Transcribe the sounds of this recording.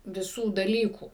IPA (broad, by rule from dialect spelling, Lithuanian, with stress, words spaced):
ʋʲɪˈsuː dɐˈlʲiːkuː